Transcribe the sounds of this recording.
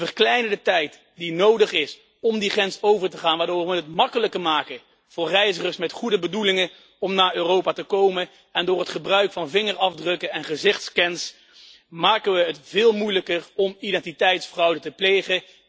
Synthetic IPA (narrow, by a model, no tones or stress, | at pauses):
əɹklɛjnədətɛjt | dinowdəχɪs | ɔmdiχɛnsowvəɹtəχaːnʋaːdʊːɹʋʋənɦətmɑkələkəmaːkə | v̥ʊːɹrɛjzəχəɹsmɛtχudəbədulɪŋə | ɔmnaːɹøːrowpaːtəkowmə | ɛndʊːɹɦətχəbrœɥkfɑnvɪŋəɹɑvdrɵkənɛnχəzɪχtskɛns | maːkənʋəɦətv̥ɪːlˠmujləkərɔmidɛntitɛjtsfrʌwdətəplejχə